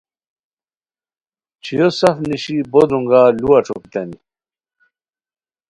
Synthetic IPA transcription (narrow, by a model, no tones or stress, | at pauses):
t͡ɕʰijosɐfniɕibod̪uŋɡaluaʈ͡ʂʰokit̪ɐni